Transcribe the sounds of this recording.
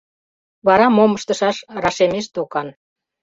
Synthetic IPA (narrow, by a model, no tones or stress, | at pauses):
βɑɾɑmoməʃt̪əʃɑʃrɑʃemeʃt̪ukɑn